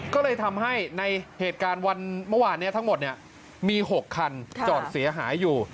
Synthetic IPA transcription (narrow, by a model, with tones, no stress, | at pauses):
kɔː˥˩lɤː˧jt̪ʰa˧mɦa˥˩jna˧jheː˨˩t̪̚kaː˧nwa˧nmɯ˥˩waː˧nːi˦˥ɐt̪ʰa˦˥ŋmo˨˩t̪̚ni˦˥˩ə | miː˧ɦo˨˩kʰːa˧nt͡ɕɔː˨˩t̪̚si˩˦ɐɦaː˩˦jːuː˨˩